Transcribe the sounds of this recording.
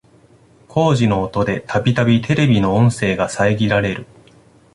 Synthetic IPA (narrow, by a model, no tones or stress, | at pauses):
kʰo̞ːʑino̞ːt̪o̞d̪e̞t̪ʰabʲit̪abʲit̪ʰe̞ɾe̞bʲino̞õɰ̃se̞ːɡasaeɡʲiɾaɾe̞ɾɯ̟